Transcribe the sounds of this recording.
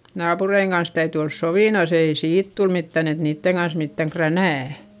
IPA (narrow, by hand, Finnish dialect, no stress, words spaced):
nɑːpureiŋ kɑns tæyty ols soʋiˑnos ei siːt tul mitːæn et niːtːeŋ ɡ̊ɑns mitːæŋ krænæˑ